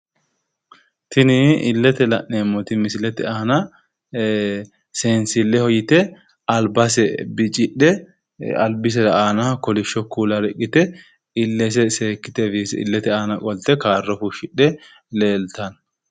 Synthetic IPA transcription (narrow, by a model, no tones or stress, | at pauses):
t̪ɪnɪɪlːɛt̪ɛlɐʔeːmːɔt̪ɪmɪsɪlɛt̪ɛaːnɐ | seːnsɪlːɛhɔjɪt̪ɛ | ɐlbɐsɛbɪt͡ʃʼɪᶑɛ | ɐlbɪs̬ɛɾɐaːnakɔlɪʃːɔkːuːlɐɾɛkʼːɪt̪ɛ | ɪlːɛs̬ɛseːkːɪt̪ɛfiːsɪ̰lːɛt̪ɛaːnɐkʼɔlt̪ɛkaːrːɔfuʃɪᶑɛ | leːlt̪ɐn